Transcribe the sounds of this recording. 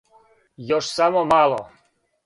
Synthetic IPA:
jɔʃsamɔmalˠɔ̰

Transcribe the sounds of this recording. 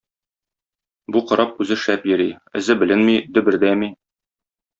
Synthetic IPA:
buqŏɾʔɑp̚ʉzɘʃæpjɘ̆ɾiɘ̆zɘbɘ̆lɘnmid̪ɵ̆bɘ̆ɾd̪æmi

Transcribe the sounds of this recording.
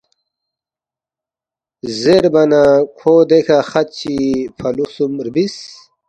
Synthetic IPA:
zeɾbɐnakʰoːd̪ekʰaxɐt̪̚t͡ɕipʰɐlusumɾbis

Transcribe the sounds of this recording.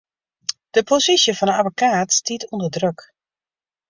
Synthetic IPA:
d̥əpʰosisjəfɔnənavokʰaːtstitundədrøk

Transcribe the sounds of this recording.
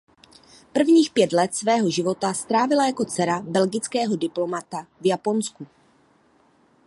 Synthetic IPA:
pr̩vɲiːxpjɛt̪lɛt̪svɛːɦo̞ʒɪvo̞t̪ast̪ɾaːvɪlajako̞t͡sɛɾabɛlɡɪt͡skɛːɦo̞dɪplo̞mat̪avjapo̞nsku

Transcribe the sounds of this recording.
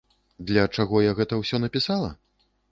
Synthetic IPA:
d̪lʲɐt͡ʂaɣɔjaɣɛt̪ɐwsʲɔnɐpʲisalˠɐ̰

